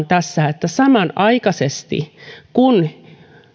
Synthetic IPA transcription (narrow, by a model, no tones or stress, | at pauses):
nt̪æsːæet̪ːæsɑmɑnʔɑikɑsest̪ḭkun